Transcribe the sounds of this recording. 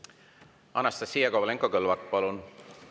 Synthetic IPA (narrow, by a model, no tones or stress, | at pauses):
ɑnɑst̪ɑsijɑkovleŋkːokɤlvɑt̪̚ːˑpɑlun